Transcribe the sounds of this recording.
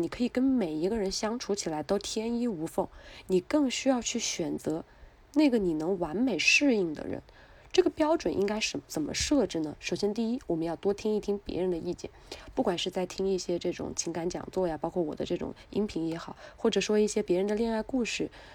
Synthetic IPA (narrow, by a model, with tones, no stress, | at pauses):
ni˨˩kʰɤ˧˥i˨˩kə˥nme˨˩ɪi˧˥ɡə˧ɻə˧˥nɕjɑ˥ŋʈ͡ʂʰu˧˥t͡ɕʰi˨˩la˧˥ɪt̪o˥ʊt̪ʰjɛ˥ni˥u˧˥fɤ˥˩ŋni˨˩kɤ˥˩ŋɕy˥jɑ˥˧ʊt͡ɕʰy˥˩ɕɥɛ˨˩nt͡sɤ˧˥ | ne˥˩ɡə˩ni˨˩nɤ˧˥ŋwa˧˥nme˨˩ɪʂɻ̩˥˧i˥˩ŋd̪ə̰˩ɻə̰˧˥˦n | ʈ͡ʂɤ˥˩ɡə˩pjɑ˥ʊʈ͡ʂwə˨˩nʔḭ˥ŋka˥ɪʂə˧˩t͡sə˨˩mʔə̰˦ʂɤ˥˧ʈ͡ʂɻ̩˥˩nə˩ʂo˨˩ʊɕjɛ˥nt̪i˥˩i˥wɔ˨˩mə˦njɑ˥˩ʊt̪wɔ˥t̪ʰi˥ŋi˥˩t̪ʰi˥ŋpjɛ̰˧˥ɻə˧˥nd̪ə˧i˥˩t͡ɕjɛ̰˥˩npu˥˩kwa˨˩nʂɻ̩˥˧t͡sa˥˩ɪt̪ʰi˥ŋi˥˩ɕjɛ˥ʈ͡ʂɤ˥˩ʈ͡ʂʊ̰˨˩ŋt͡ɕʰi˧˥ŋka˧˥nt͡ɕjɑ̰˨˩ŋt͡swɔ˥˩ja˨˩pɑ˥kʰwɔ˥˩wɔ̰˨˩d̪ə˦ʈ͡ʂɤ˥˩ʈ͡ʂʊ̰˨˩ŋi˧˥ŋpʰi˧˥ŋjɛ˧˥xɑ˨˩˦ʊxwɔ˥˩ʈ͡ʂɤ˨˩ʂwɔ˥i˥˩ɕjɛ˥pjɛ˧˥ɻə˧˥nd̪ə˧li˥˧ŋa˥˧ɪku˥˧ʂɻ̩˥˩